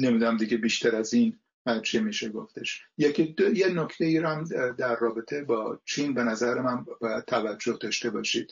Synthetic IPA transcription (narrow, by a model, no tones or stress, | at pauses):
ne̞mid̪unæmd̪iɡebiːʃt̪ʰæɾæziːn | æt͡ʃʰemiːʃeɡo̞ft̪ʰe̞ʃjekʰid̪ojenocʰt̪eiɾæmd̪æɾːɒːbet̪ʰebɒːt͡ʃʰinbe̞næzæɾemænbɒːjæd̪̚t̪ʰævæd͡ʒːo̞hd̪ɒːʃt̪e̞bɒːʃiːd̪̥